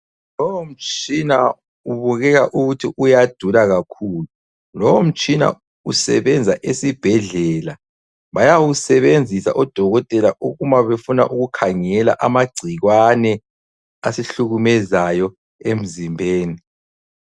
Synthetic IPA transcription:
lɔwom̩t͡ʃʼina | uβuɣɛɣaʔuɣutʰiʔujad̥ʱulaɣakʰuːlu | lɔwom̩t͡ʃʼina̰ | usɛ̰βɛnd͡zʱaʔesib̥ʱɛɮɛla | βajawusɛβend͡zʱisa̰ʔɔd̥ʱɔɣɔtʼɛlaʔuɣumaβefuna̰ʔuɣukʰaŋɛla̰ʔamaɡ͡ǀʱiɣwanɛ | asiɬuɣumɛzajɔ | em̩zimbʱeːni

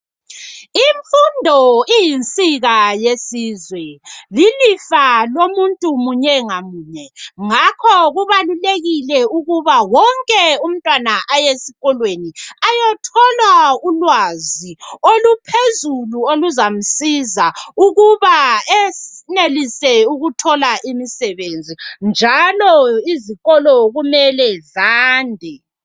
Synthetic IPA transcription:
iɱfundʱɔijint͡sʼiɣajesiːzwɛlilifalomuntʼumuɲɛŋamuːɲɛŋakʰɔɣuβaluleɣilɛuɣuβawɔŋkʼɛum̩tʼwanaʔajesiɣɔlweniajɔtʰɔlwaulwaziolupʰezuluoluzam̩sizauɣuβaɛnelisɛuɣutʰɔlaʔimisɛβend͡zʱind͡ʒʱalɔiziɣɔlɔɣumɛlɛzaːndʱɛ

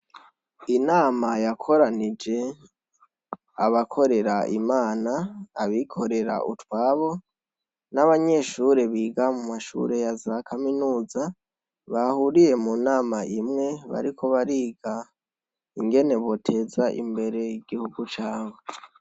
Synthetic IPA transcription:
inaːmajakʰo̞ɾanid͡ʒe̞ | a̰βakʰo̞ɾe̞ɾaʔḭmaːnaːβikʰo̞ɾe̞ɾa̰ʔṵtwaːβo̞ | naβaɲe̞ʃuɾe̞βiːɡamumaʃṵɾe̞jazakʰaminuːza | βahuɾije̞munaːmaʔimŋe̞βa̰ɾikʰo̞βaɾiːɡa | iŋɡe̞ne̞βo̞tʰe̞zaʔḭmbe̞ɾe̞jiɡihuɡut͡ʃaːwe

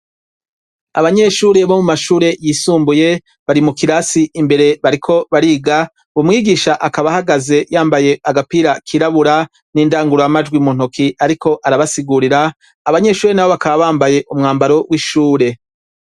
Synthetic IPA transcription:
a̰βaɲe̞ʃuːɾe̞βomumaʃuːɾe̞jiːsuːmbuje̞ | βaɾimukiɾasiimbe̞ɾe̞βaɾikʰo̞βaɾiːɡa | βumŋiːɡiʃaʔakaβahaɡaze̞jaːmbaje̞aɡapiɾakʰiɾaβuɾa | niːndaːŋɡuɾojamad͡ʒɡwimun̥okʰiaɾikʰo̞ʔaɾaβasiɡuɾiɾaː | βaɲe̞ʃuːɾe̞naβo̞βakaβaβaːmbaje̞ʔumŋaːmbaɾo̞wʔiʃuːɾe̞

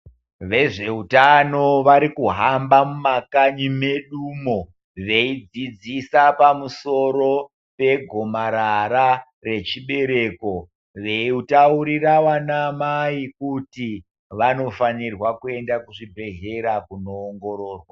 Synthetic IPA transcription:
ʋe̞ʐe̞utano̞ʋaɾikuɦambamumakaɲime̞ɗuːmo | ʋe̞id͡zid͡zisapamuso̞ɾo̞ | pe̞ɡʱo̞maɾaɾa | re̞t͡ʃiɓe̞ɾe̞ːko̞ | ʋe̞utauɾirawanamaikuti | ʋano̞fanirwakue̞ndakuʐibʱe̞ɦe̞ɾakuno̞ːŋɡo̞ɾo̞ːrwa

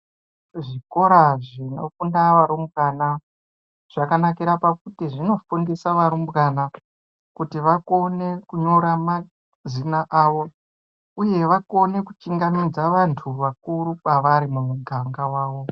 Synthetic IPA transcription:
ʐiko̞ɾaʐino̞̰fundaʋaɾumbɣana | ʐ̥akanakiɾapakutiʐino̞funde̞saʋaɾumbɣana | kutiʋako̞nekuɲo̞ɾama | zinaʔaːʋo̞ | uje̞ʋako̞ne̞ku̥t͡ʃiŋɡamid͡zaʋantʰuʋakuɾupaʋaɾimumuɡʱaŋɡawaːʋo̞

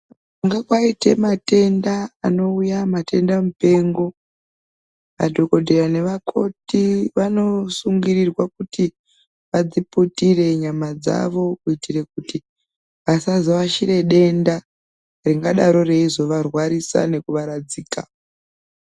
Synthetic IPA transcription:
uŋɡakwaite̞mate̞ndaːno̞ujamate̞ndamupe̞ŋɡo̞ | ʋa̰dʱoko̞dʱerane̞ʋakʰo̞tiʋano̞suŋɡirirwakuti | ʋad͡ziputire̞ɲamad͡za̰ʋo̞kuitʰirekuti | ʋasazoʋaʃire̞ɗe̞nda | riŋɡaɗaɾo̞re̞izo̞ʋarwaɾisa̰ne̞kuʋaɾad͡ziːka

